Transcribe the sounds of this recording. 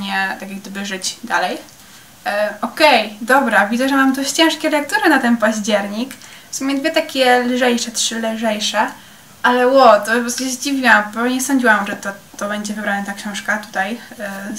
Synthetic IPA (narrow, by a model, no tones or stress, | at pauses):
ɲɛt̪akʲaɡd̪ɘbɘʐɘd͡ʑd̪a̰lɛj | ɔkɛjd̪ɔbɾavʲid̪zɛʐɛmamd̪ɔɕt͡ɕɛ̃ʂkʲɛlɛkt̪uɾɘnat̪ɛnpaʑd͡ʑɛɾɲikfsumʲɛd̪vʲjɛt̪akʲɛlʐɛjʂɛtʂɘlʐɛjʂɛ | ʔalɛwɔt̪ɔɔsk̪ɕezd͡ʑivʲiwambɔɲɛsɔɲd͡ʑiwamʐɛt̪ɔt̪ɔbɛɲd͡ʑɛvɘbɾanɛt̪akɕɔ̃w̃ʂkat̪u̥t̪aj